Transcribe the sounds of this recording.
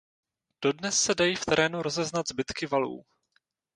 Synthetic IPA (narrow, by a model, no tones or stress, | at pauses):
d̥o̞dnɛsːɛdajiːft̪ɛɾɛːnuɾo̞zɛznad̪zbɪt̪kɪvalṵː